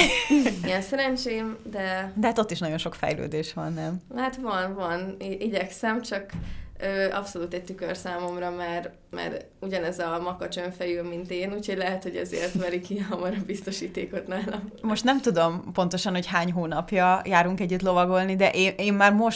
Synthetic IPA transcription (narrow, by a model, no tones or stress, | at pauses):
iɡɛnsɛɾɛnt͡ʃeːmd̪ɛd̪ɛɦat̪o̞t̪ːiʃnɒɟo̞nʃo̞kfɛ̰jlø̰ːd̪eːʃʋɒ̰nːɛmhat̪ʋɒnvɒnʔiɟɛksɛmt͡ʃɒkøːʔɒpso̞luːt̪ɛc̚t̪ykørsaːmo̞mrɒmɛr | mɛ̰ɾ | uɟɒnɛzɒmɒkɒt͡ʃøɱfɛjøːmint̪eːnuːcʰho̞ɟlɛɦɛt̪ho̞ɟɛ̰zḛːrt̪mɛlikiɛɦɒmɒɾɒbist̪o̞ʃiːt̪eːko̞t̪naːlɛmmo̞ʃt̪nɛmt̪ud̪o̞mpo̞nt̪o̞ʃɒnho̞chaːɲɦoːnɒpjɒjaːɾuŋkɛɟːyt̪lo̞vɒɡo̞lnid̪ɛʔeːʔeːmːaːrmo̞ʃ